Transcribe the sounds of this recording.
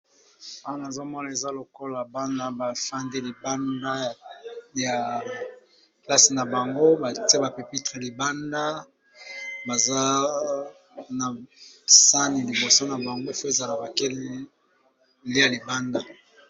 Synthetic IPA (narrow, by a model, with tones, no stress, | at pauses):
a˦wa˦n˨a˨zo˦mɔ˦na˨e˨za˦lo˨ko˦la˨ba˦na˦ba˨fa˦nde˦li˨ba˦nda˦˨ja˨ | kla˦si˨na˨ba˨ŋɡo˦ba˨ti˦e˦ba˨pe˨pi˦tʁe˨li˨ba˦nda˦ | ba˨za˦ | na˨ | sa˦ni˨li˨bo˨so˦na˨ba˨ŋɡo˦fo˦e˨za˨la˨ba˨ke˦l | le˦ja˨li˨ba˦nda˦